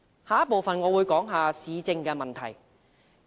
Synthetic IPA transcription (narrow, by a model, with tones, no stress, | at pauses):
haː˨˧jɐ˥po˨wfɐ˨nŋɔː˨˧wuː˨˧jkɔː˨˥ŋɦaː˨siː˨˧t͡sɪ˧ŋkɛː˧mɐ˨nt̪ʰɐ˨˩j